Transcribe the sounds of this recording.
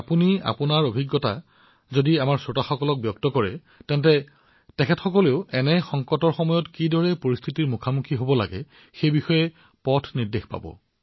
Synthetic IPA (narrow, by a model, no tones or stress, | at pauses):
apunia̰punaɹobʱiɡːɔta̰ | zodiamaɹsotaxɔkɔlɔk̚bjɔk̚tɔkɔɹɛ̰ | tɛntɛ | tɛkʰɛtxɔkɔleʊɛnɛxɔŋkɔtɔɹxɔmɔjɔtkidɔɹɛpoɹist̪ʰitiɹmukʰamukʰiɦobɔla̰ɡɛ̰ | xejbixɔjɛ | pɔtʰniɹdexpa̰bɔ̰